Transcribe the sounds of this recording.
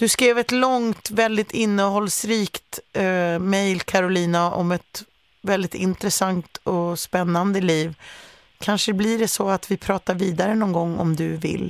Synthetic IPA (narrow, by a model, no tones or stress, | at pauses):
d̪̥ɵskɾeːvɛt̪lɔŋt̪vɛld̪ɪt̪ɪnːəhɔlːsɾiːkt̪ | mɛjlkʰaɾʊliːnaʔɔmɛt̪ | vɛld̪ɪt̪ɪ̰nt̪ɾɛsant̪ɔspɛnːand̪əliːv | kʰanʂəblɪɖɛsɔat̪vɪpʰɾɑːt̪aɾviːd̪aɾənɔnɡɔŋːɔ̰md̪ɵvɪ̰lː